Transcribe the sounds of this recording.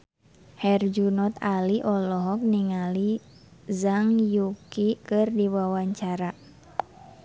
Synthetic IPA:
hɛrd͡ʒunɔt̪aliʔɔlɔɦɔk̚niŋalizaŋjukikɨrdiwawaɲt͡ʃaɾa

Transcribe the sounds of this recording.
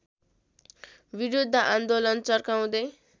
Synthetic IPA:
biɾud̪ʱːʌʔand̪olʌnt͡sʌrkaw̃d̪ʌj

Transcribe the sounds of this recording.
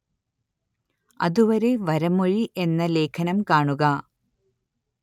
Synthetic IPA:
ɐ̰ðuʋɐɾe̞ʋɐɾɐmoɻiʔe̞nːɐle̞ːkʰɐnɐmkaːɳuɣɐ

